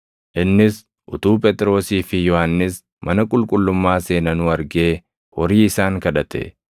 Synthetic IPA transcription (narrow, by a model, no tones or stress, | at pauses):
ʔɪnːɪs | ʔʊt̪uːpʼɛt̪ʼɾo̞ːsiːfɪjɔhanːɪs | mɐnɐkʼʊlkʼʊlːʊmːaːse̞ːnɐnʊɐɾɡeː | wɔɾiːɪsaːŋkɐᶑɐt̪ɛ̰